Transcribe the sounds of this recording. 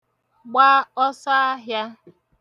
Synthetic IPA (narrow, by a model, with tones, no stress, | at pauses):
ɡ͡baː˦ɔ˦sa˦a˦ɦja˦